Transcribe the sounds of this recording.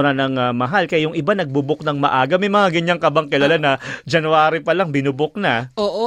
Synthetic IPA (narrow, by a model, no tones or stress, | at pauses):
nanɐŋɐmɐɦalkɐjajʊŋʔɪbanɐɡ̚bubʊk̚nɐŋmɐ̰ʔaːɡɐmɐjmɐŋaɡɪɲaŋkɐbaŋkɪlɐlanɐd͡ʒɐnuaːɾipɐlaŋbɪnʊbok̚naoːʔo